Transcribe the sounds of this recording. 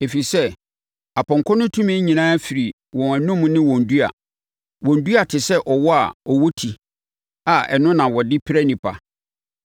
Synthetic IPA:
e˨fi˨sɛ˦ | a˨pʰɔ̃˨ŋ˨kʰɔ̃˦nʊ̃˦tʰũ˦mɛ̃˦ɲĩ˨nãː˦fi˨ɾi˨ | wɔ̃˨æ˨nʊ̃˦m˦nɪ̃˦wɔ̃˨n̩˨du˦a̰˨ | wɔ̃˨n˨du˦a˨tʰɪ˨sɛ˦ʔɔ˨wɔ˦a̰˨ɔ˨wɔ˦tʰi˨ | a˨ɛ̰˨nʊ̃˦nã˨wɔ˨dɪ˦pʰɪ˦ɾɛ˦nĩ˨pʰa̰˨

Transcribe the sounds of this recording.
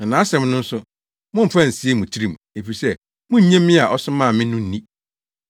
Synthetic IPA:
a˨nã˨˦ɕɛ̃˨m˦nʊ̃˦n̩˦sʊ˦ | mʊ̃˦m̩˨pʰã˦n̩˨si˦e˦mũ˨t͡ɕʰi˦ɾi˨m˨e˨fi˨sɛ˦ | mʊ̃˦ɲ̩˦ɲɛ̃˦mːɪ̃˦a˨ʔɔ˦sʊ˦mã˦˨mɪ̃˦nʊ̃˦n̩˦nĩ˦

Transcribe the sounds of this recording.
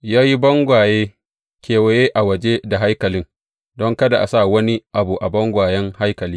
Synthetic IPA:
jaː˦ji˦bɔ˦ŋɡʷaː˨jeː˦ | kʲeː˨we˨jeː˦ʔa˨wɐ˨d͡ʒe˦da˨ɦa˦jkɐ˨lɪ˦ŋ | dɔ˦ŋkɐ˦da˨ʔa˨sa˦˨wɐ˦ni˦ʔa˨bu˨ʔa˨bɔ˦ŋɡʷaː˨jɛ˦ŋha˦jkɐ˨liː˦

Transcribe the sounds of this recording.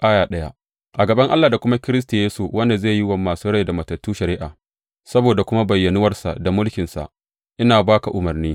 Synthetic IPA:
kʼaː˦jaː˨ɗɐ˦ja˦ | ʔa˨ɡɐ˨bɐ˦ŋʔa̰˦lːa˨da˨kʷʊ˦ma˦kʲɪ˦ɾɪ˦s̬ta˨jeː˦su˨wɐ˦nda˨zeː˦˨ji˦wɐ˨mːaː˨suː˦ɽɐ˦jda˨mɐ˨tɐ˨tːuː˦ʃɐ˨ɾɪ˦ʔaː˨ | sɐ˦boː˨da˨kʷʊ˦ma˦bɐ˨jːɐ˨nʊ˦wɐ˦rsa̰˨da˨mʊ˦lkʲɪ˨nsa̰˨ʔ | ʔɪ˦naː˨baː˦ka˨ʔʊ˨mɐ˨rniː˦

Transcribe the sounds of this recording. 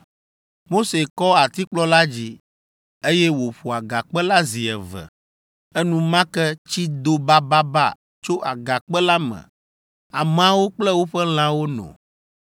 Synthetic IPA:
mo˦se˨kɔ˦a˨t̪i˦k͡plɔ˦la˦d͡ʑi˦ | e˦jɛ˦wo˨ɸu˨a˨ɡa˨k͡pɛ˦la˦zi˨ɛ̰˨vɛ̰˨ | ɛ˦nũ˦mã˦kɛ˦t͡ɕi˦d̪o˦ba˦ba˦ba˦˨ | t͡ʃo˦ʔa̰˨ɡa˨k͡pɛ˦la˦mɛ̰̃˨ | a˨mã˦wo˦k͡plɛ˦wo˦ɸɛ˦l̃ã˦wo˦nɔ̰̃˨

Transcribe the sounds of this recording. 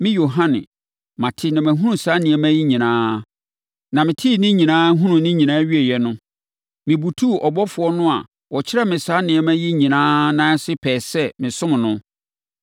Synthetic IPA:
mɪ̃˦jo˨ɦã˦nɪ̰̃˨ | mã˨tʰɪ˦nã˨mæ̃˨ɦũ˦nũ˨sa˨˦nɪ̃˨ɛ˨mæ̃˦ji˦ɲĩ˨nãː˦ | nã˨mɪ̃˨tʰi˦˨nɪ̃˦ɲĩ˨nãː˦ɦũ˦nũ˨nɪ̃˦ɲĩ˨nãː˦ɥi˦e˨jɛ˦nʊ̃˦ | mɪ̃˨bu˨tʰu˦˨ʔɔ˨bɔ˦fʊ˨ɔ˦nʊ̃˦a̰˨ | wɔ˨t͡ɕʰɪ˦ɾɛ˦mɪ̃˨sa˨˦nɪ̃˨ɛ˨mæ̃˦ji˦ɲĩ˨nãː˦nã˦sɪ˦pʰɛː˨sɛ˦mɪ̃˨sʊ̃˦m̃˨nʊ̃˦

